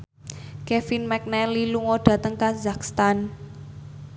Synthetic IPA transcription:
kefinmɛk̚nɛliluŋɔɖ̥ä̤t̪əŋkazakst̪an

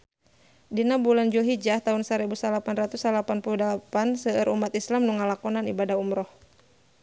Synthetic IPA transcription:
dinabuland͡ʒulɦid͡ʒaht̪aɦunsaɾɛbusalapanrat̪usalapanpuludapansəəɾʔṵmat̪islamnuŋalakɔnanḭbadahumɾɔh

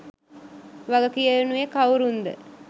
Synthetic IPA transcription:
ʋaɡəkijənuekawɾund̪ə̰

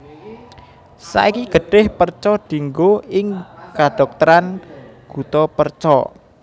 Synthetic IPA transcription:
sa̰ikiɡ̥ə̤ɖ̥ɪhpərt͡ʃɔd̪̥i̤ŋɡoɪŋkaɖ̥ɔ̤k̚t̪əɾanɡ̥ṳt̪ɔpərt͡ʃɔ̰

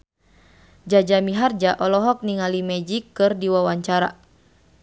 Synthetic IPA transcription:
d͡ʒad͡ʒamiɦard͡ʒaʔɔlɔɦɔk̚niŋalimɛd͡ʒikːɨrdiwawaɲt͡ʃaɾa̰

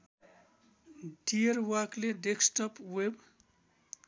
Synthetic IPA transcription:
ɖiʌɾwʌkleɖeksʈʌpweb

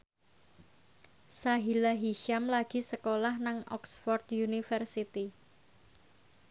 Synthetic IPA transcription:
saɦilaɦiʃamlaɡ̥i̤səkolahnaŋʔɔ̰ksfɔrt̪junifərsit̪i

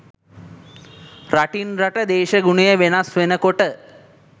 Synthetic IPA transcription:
ɾaʈinɾaʈəd̪eːʃɐɡuɳijəʋenasʋenəkoʈə

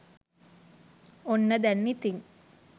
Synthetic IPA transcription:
onːəd̪ænːit̪iŋ

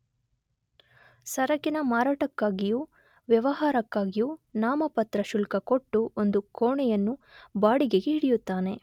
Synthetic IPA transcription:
sɐɾɐkːinɐmaːɾaːʈɐkːaːɡijuː | ʋjɐʋɐɦaːɾɐkːaːɡijuːnaːmɐpɐt̪ɾɐʃulkɐko̞ʈːuond̪ukoːɳɛjɐnːubaːɽiɡeɡeɦiɽijut̪ːaːne̞

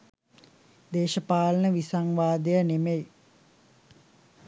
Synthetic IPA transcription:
d̪eːʃəpaːlənəʋisaŋʋaːd̪ejənemej

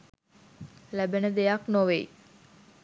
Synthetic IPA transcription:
læbenəd̪ejaknoʋej

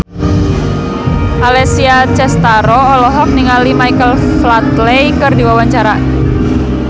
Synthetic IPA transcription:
ʔalɛsiat͡ʃɛst̪aɾɔːlɔɦɔk̚niŋalimajkəlflat̪lejkərdiwawaɲt͡ʃaɾa

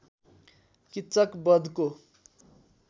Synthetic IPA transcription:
kit̪ːt͡sʌkbʌd̪ʱko

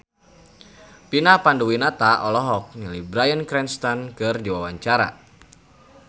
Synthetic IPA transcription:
pinapanduwinat̪aʔɔlɔɦɔk̚nilibɾajənkɾɛnst̪ankɨrdiwawaɲt͡ʃaɾa̰

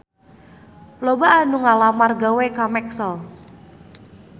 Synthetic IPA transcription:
lobaanuŋalamarɡawekamɛksəl

